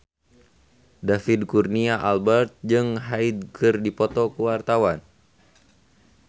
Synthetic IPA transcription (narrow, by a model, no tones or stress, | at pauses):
dafid̚kurniaʔalbɛrt̪̚d͡ʒɨŋɦaid̪̚kɨrdipɔt̪ɔkuwart̪awan